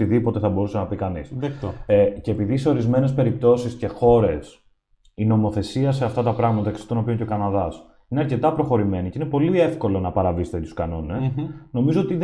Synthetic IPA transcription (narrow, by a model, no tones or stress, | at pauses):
iðipo̞t̪e̞θɐbo̞ɾusenɐpikɐnisðk̪oeceːpiðise̞o̞ɾizme̞ne̞s̬pe̞ɾip̚t̪o̞sisce̞xo̞ɾe̞s | ino̞mo̞θe̞siɐse̞ɐft̪ɐt̪ɐpɾɐɣmɐt̪ɐeksft̪ono̞pioɲceo̞kɐnɐðɐs | ineɐɾce̞t̪ɐpɾo̞xo̞ɾime̞niceine̞po̞lie̞fko̞lo̞nɐpɐɾɐvise̥t̪et̪u̥skɐno̞ne̞sno̞mizo̞ot̪ið